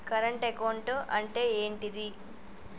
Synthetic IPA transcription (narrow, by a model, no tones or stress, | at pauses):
kɐɾɐɳʈekɐwɳʈoʔɐɳʈe̞ːeːɳʈid̪i